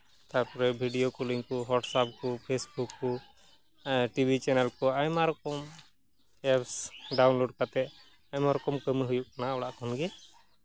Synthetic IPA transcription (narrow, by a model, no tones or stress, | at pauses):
t̪aɾpɔɾɛbʱiɖijokuliŋkuɦɔʈsap̚kɔpʰesbukːɔ | ʈibʱit͡ʃɛnɛlkɔajmaɾɔkɔm | ɛpsɖawnloɖkat̪ɛʔ | ajmaɾɔkɔmkəmiɦujuʔkanaɔɽaʔkɔnɡɛ